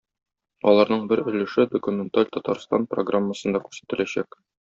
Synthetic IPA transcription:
ɒlˠɑɾnɤɴbɘɾɵ̆lɘ̆ʃɘd̪okumʲent̪alʲt̪ɒt̪ɑɾst̪ɑ̰npro̰ɡramːəsɤ̆nd̪ɑkʉɾsæ̥t̪ɘ̆læɕæk

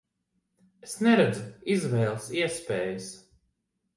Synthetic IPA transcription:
esnɛɾɛd̪zuizvɛːlˠsiɛspɛːjəs

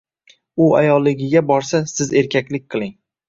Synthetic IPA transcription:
ʊa̰jɒlˠːɪɡʲɪɡʲabɒɾsasɪze̞ɾkʲʰakʲlɪk̚ʲqʰɨlˠɪŋ

